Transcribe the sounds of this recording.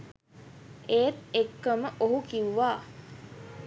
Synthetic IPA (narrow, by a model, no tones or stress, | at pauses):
eːt̪ekːəməʔoɦukiwʋaː